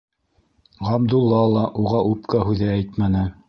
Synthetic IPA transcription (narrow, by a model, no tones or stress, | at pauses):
ʁɑbd̪ulˠːɑlˠɑʔuʁɑʔup̚kɑɦʉðææjt̪mænɘ